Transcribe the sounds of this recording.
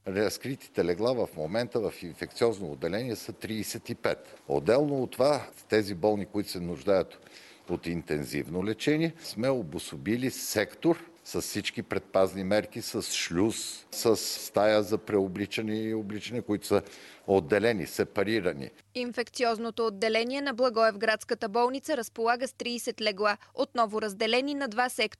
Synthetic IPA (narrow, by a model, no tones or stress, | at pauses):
ɾəskɾit̪i̥t̪ɛlɛɡlˠavəfmomɛnt̪əvəfinfɛk̚t̪siɔznoːd̪ːɛlɛnʲiɛsət̪ɾiːsɛt̪ipɛt̪o̰d̪ːɛlˠnoːt̪ːovat̪ɛzibɔlˠnikoit̪o̥sɛnʊʒd̪ajət̪ | ot̪int̪ɛnzḭvnolɛt͡ʃɛnʲiɛsmɛobʊsobilisɛkt̪oɾ | səssit͡ʃkipɾɛt̪̚paznimɛɾkisəsʃlʲussəsst̪ajəzɐpɾɛoblit͡ʃənɛioblit͡ʃənɛkoit̪ʊ̥səod̪ːɛlɛnḭsɛpɐɾiɾənḭ | infɛkt̪siɔznot̪oːd̪ːɛlɛniɛnɐblˠɐɡɔɛvɡɾat̪skət̪əbɔlˠnit̪səɾəspolˠaɡəst̪ɾiːsɛt̪lɛɡlˠaot̪̚nɔvoɾəzd̪ɛlɛninɐd̪vasɛk